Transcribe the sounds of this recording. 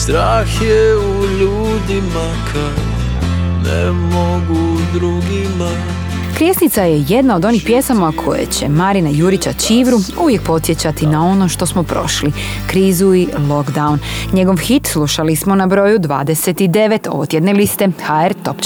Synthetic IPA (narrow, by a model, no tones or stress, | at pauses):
st̪ɾaːxjeuʎuːd̪ima | kʰa | nḛmoɡud̪ɾuɡima | kɾjesnit̪saje̞jed̪nao̞d̪o̞nixpje̞samakʰo̞̰jḛt͡ɕe̞̰maɾinajuːɾit͡ɕat͡ɕiːʋɾuuʋjek̚po̞t̪sje̞t͡ɕat̪inao̞no̞ʃt̪o̞smopɾo̞̰ʃli | kɾiːzuilo̞kd̪aunɲe̞ɡo̞ʋxit̪sluʃalismo̞nabɾo̞jud̪ʋa̰ːd̪ese̞t̪id̪e̞ʋe̞t̪o̞̰ʋot̪je̞d̪ne̞list̪e̞xaeɾt̪o̞p